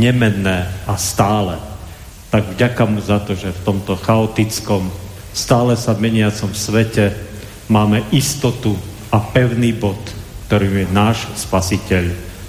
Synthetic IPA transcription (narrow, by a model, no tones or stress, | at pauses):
ɲɛmɛnːɛːast̪aːlɛ | t̪aɡvɟakamuzat̪ɔʒɛft̪ɔmt̪ɔxaɔt̪it͡skɔm | st̪aːlɛsamɛɲɪat͡sɔmsʋɛcɛ | maːmɛʔist̪ɔt̪u | apɛʊniːbɔt̪kt̪ɔɾiːmujɛnaːʃspasicɛʎ